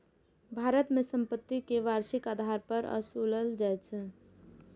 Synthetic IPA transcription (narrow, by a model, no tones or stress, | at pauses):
bʱaɾət̪mesəmpət̪ːikeʋaɾsikad̪ʱaɾpəɾə̰suləld͡ʒajt͡ʃʰ